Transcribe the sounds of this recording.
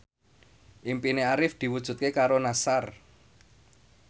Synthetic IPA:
ʔimpineaɾɪfd̪̥i̤wud̥ʒ̥ṳt̪̚kekaɾonasar

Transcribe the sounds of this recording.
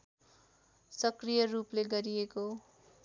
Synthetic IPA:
sʌkrijʌrupleɡʌɾieko

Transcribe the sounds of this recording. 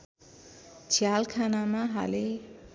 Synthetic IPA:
t͡sʰjalkʰanamaɦa̰le

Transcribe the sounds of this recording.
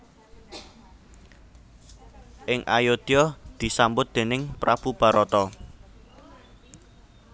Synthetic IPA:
ʔɪŋʔajod̪̥ɔd̪̥i̤sambʊt̪̚d̪̥e̤nɪŋpɾab̥ub̥a̤ɾɔt̪ɔ

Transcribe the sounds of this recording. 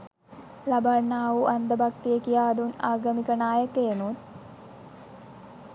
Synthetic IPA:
labanːaːʋuʔand̪əbak̚t̪ijekijaːd̪unaːɡəmikənaːjəkenut̪

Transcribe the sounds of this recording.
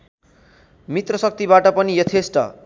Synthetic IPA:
mit̪rʌsʌk̚t̪ibaʈʌpʌnijʌt̪ʰesʈʌ̰

